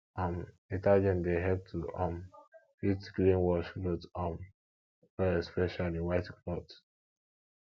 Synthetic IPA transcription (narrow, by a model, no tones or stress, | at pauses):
ãm | itad͡ʒɛ̃ndeɦɛb̚tʰuʔãmpitɡɹĩnwɔʃlɔtɔ̃n | ɛɛspɛʃaliwaɪtklɔt